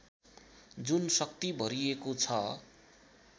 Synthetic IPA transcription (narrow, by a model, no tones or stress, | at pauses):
d͡zunsʌk̚t̪ibʱʌɾiekot͡sʰʌ